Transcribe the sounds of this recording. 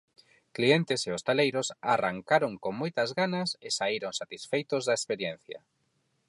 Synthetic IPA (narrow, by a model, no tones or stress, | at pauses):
klient̪ɪseost̪alejɾʊsaraŋkaɾoŋkoŋmojt̪ɐzɣanɐsɪsaiɾoŋsat̪isfejt̪ozðɐespeɾjẽn̟θja̰